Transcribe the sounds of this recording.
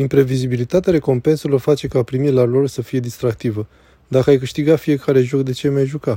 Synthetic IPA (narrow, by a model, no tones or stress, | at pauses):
impɾe̞vizibilit̪at̪eaɾe̞ko̞mpe̞nselo̞rfat͡ʃe̞kapɾimilalo̞rsəfije̞d̪ist̪ɾak̚t̪ivə | d̪akəajkɨʃt̪iɡafije̞kaɾe̞ʒo̞kd̪e̞t͡ʃe̞majʒuka